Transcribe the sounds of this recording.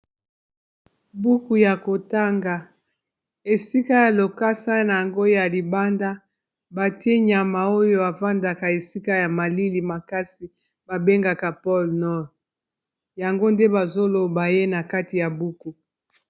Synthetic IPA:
bu˦ku˨ja˨ko˨ta˦ŋɡa˨ | e˨si˦ka˦ja˨lo˨ka˦sa˦na˨ja˨ŋɡo˦ja˨li˨ba˦nda˦ | ba˨ti˦e˦ɲa˨ma˨o˦jo˦a˨va˦nda˨ka˨e˨si˦ka˦ja˨ma˨li˦li˨ma˨ka˦si˨ | ba˨be˦ŋɡa˨ka˨pɔ˦lnɔ˦ʁ | ja˨ŋɡo˦nde˦ba˨zo˦lo˨ba˨je˦na˨ka˦ti˨ja˨bu˦ku˨

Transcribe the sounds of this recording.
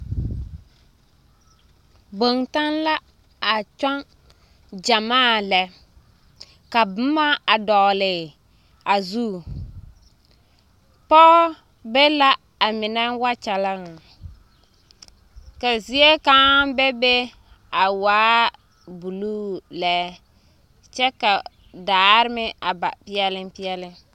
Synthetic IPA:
bo˨ŋta˦nla˦ | a˨t͡ʃɔ˦ŋ | d͡ʒa˨maː˦˨lɛ˨ | ka˨bʊ˨˦ma˦a˨dɔ˨lɪ˨ | a˨zu˦˨ | pɔ˦ | be˦la˦ | a˨mɪ˨nɛ˦wa˦t͡ʃa˨la˦ŋa˨ | ka˨zi˦e˦ka˦be˦be˦ | a˨waː˦ | bu˨luː˦lɛ˦ | t͡ʃɛ˦ka˨ | daː˨˦ɾɪ˦mɪ˦a˨ba̰˨pɪ˦ɛ˦lɪ˦mpɪ˦ɛ˦lɪ˦n

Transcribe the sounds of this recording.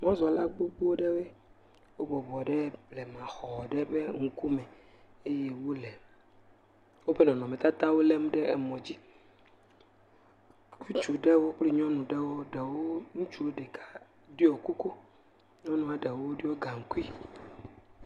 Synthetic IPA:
mɔ̃˦zɔ˨la˦ɡ͡bo˦bu˦wo˦ɖe˦be˦ | wo˦bɔ˨bɔ˨ɖɛ˦blɛ˨mã˨xɔ˨ɖɛ˦be˦ŋu˨ku˦mɛ˨ | e˦je˦wo˦lɛ˨ | wo˦be˦nɔ̃˨nɔ̃˨mẽ˨t̪a˦t̪a˦wo˦le˦m˦ɖe˦e˨mɔ̃˨d͡ʑi˦ | ku˦t͡ʃu˨ɖe˦wo˦k͡pli˦ɲɔ̃˦nũ˨ɖe˦wo˦ɖe˨wo˦nũ˦t͡ʃu˦wo˦ɖe˨kʰa˦ | ɖi˦o˨ku˦ko˦ | ɲɔ̃˦nũ˨a˨ɖe˨wo˦ɖi˦wo˦ɡa˨ŋ̩˨ku˦i˦

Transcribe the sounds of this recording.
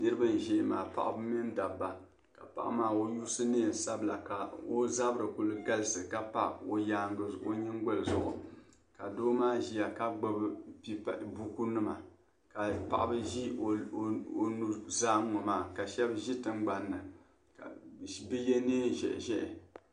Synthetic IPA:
nɨ˦ɾɨ˦bɨ˦n˨ʒɛ˨maː˨pa̰˨ʔbɨ˦mi˦nda˨bːa˨ | ka˨pa̰˨ʔa̰˦maː˦o˦juː˦sɨ˦neː˦˨sa˦bla˨ka˨o˦za˦bɾɨ˨ku˨lɨ˨ɡa˦lɨ˦sɨ˨ka˦pa̰˦o˨ja˦ŋ˨o˦ɲɛ˦ŋ˦ɡo˦lɨ˨zʊ̰˨ʔʊ̰˨ | ka˨doː˦maː˦ʒi˦ja˨ka˦ɡ͡bo˦bɨ˦i˦pbu˦ku˦nɨ˦ma˨ | ka˨pa̰˨ʔa˨bɨ˦ʒi˦˨o˨nu˦zaː˦ŋɔ˨maː˦˨ka˨ʃɛ˦bʒi˦tɨ˦ŋɡ͡ba˨nːɨ˨ | ka˨bɨ˦jɛ˦neː˦˨ʒɛ̰˨ʔʒɛ˦ʔɛ̰˨

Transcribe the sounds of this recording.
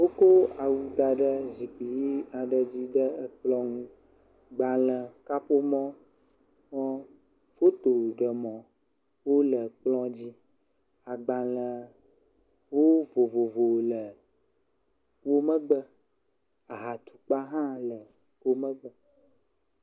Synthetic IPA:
wo˦ko˦a˨wu˦d̪a˨ɖə˦zi˨k͡pi˨ji˦a˨ɖə˨d͡ʑi˦ɖə˦ə˦k͡plɔ̃˦ŋũ˦ | ɡ͡ba˨lə˨ka˦po˦mɔ̃˦ | ŋɔ̃˦ | fo˦t̪o˨ɖə˨mɔ̃˨ | wo˦lə˨k͡plɔ̃˦d͡ʑi˦ | a˨ɡ͡ba˨lə˨ | wo˦vo˨vo˨vo˨lə˨ | wo˦mə˦ɡ͡bə˦ | a˨ɦa˨t̪u̥˨k͡pa˦ɦã˦lə˨ | ko˦mə˦ɡ͡bə˦

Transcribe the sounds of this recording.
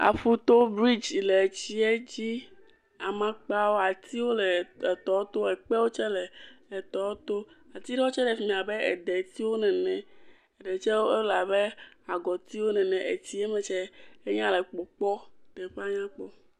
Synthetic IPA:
a̰˨fu˦t̪o˦bɾi˦d͡ʒle˨t͡ɕi˦ɛ˦d͡ʑi˦ | a˨mã˦k͡pa˦wo˦a˨t̪i˦wo˦lɛ˨t̪ɔ˨˦t̪o˦ɛ˨k͡pɛ˦wo˦t͡ʃɛ˦lɛ˨ɛ˨t̪ɔ˦t̪o˦ | a˨t̪i˦ɖɛ˦wo˦t͡ʃɛ˦lɛ˨fi˨˦mĩ˨a˨bɛ˦ḛ˨ɖɛ˨t̪i˦wo˦nɛ̃˨nɛ̃˨ | e˨ɖɛ˨t͡ʃɛ˦wo˦e˦la˨be˦a˨ɡɔ˨t̪i˦wo˦nɛ̃˨nɛ̃˨ʔe˨t̪i˦e˦mɛ̃˨t͡ʃɛ˦e˦ɲã˦lɛ˨k͡pɔ˨k͡pɔ˦t̪ɛ˨ɸe˦a˦ɲã˦k͡pɔ˦

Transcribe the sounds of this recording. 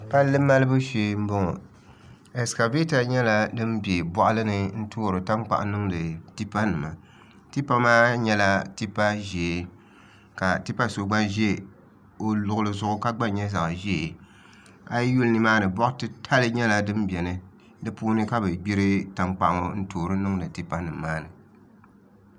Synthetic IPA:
pa˦lːɨ˦ma˦lɨ˦bɨ˦ʃe˨˦m̩˦bʊ˦ŋɔ̰˨ | ɛ˨ska˨ve˦ta˨ɲɛ˦la˦dɨ˦mbi˨e˨bɔ˦ʔʊ˦lɨ˦nɨ˦n̩˦tʰoː˦˨ɾɨ˨ta˦ŋ͡mk͡pa̰˨ʔnɨ˦ŋdɨ˨ti˦pa˦nɨ˨ma̰˨ | ti˦pa˦maː˦ɲɛ˦la˦ti˦pa˦ʒɛ˨ | ka˨ti˦pa˦so˨ɡ͡ba˦ʒɛ˦˨ | o˨lʊ˨ʊ˨lɨ˨zʊ˦ʔʊ˦ka˦ɡ͡ba˦ɲɛ˦za˨ʔʒɛ˦e˨ | a˦jju˦lnɨ˨maː˦nɨ˨bɔ˦ʔtɨ˦tʰa˦lɨ˦ɲɛ˦la˨dɨ˦mbi˨ɛ˨nɨ˨ | dɨ˦puː˦nɨ˦ka˦bɨ˨ɡ͡bi˦ɾɨ˦ta˨ŋ͡mk͡pa˨ʔŋo˨n̩˦toː˨ɾɨ˦nɨ˦ŋdɨ˨ti˦pa˦nɨ˨mːaː˦nɨ˨

